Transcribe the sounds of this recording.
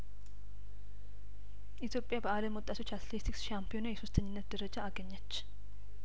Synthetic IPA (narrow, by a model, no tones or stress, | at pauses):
ʔit̪ʰjo̞pʼːjabəaləmwʊt̪ʼːat̪ʰo̞t͡ʃːat̪let̪ʰiksʃampʰijo̞najɛsost̪ʰəɲːɪnːət̪̚d̪əɾəd͡ʒaaɡəɲːət͡ʃː